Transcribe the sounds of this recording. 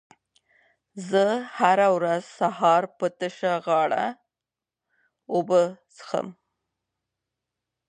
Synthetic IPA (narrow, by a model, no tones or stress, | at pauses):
zəhaɾawɾazsahɑɾpət̪əʃaɣɑɽa̰ | obəsə̥xə̰m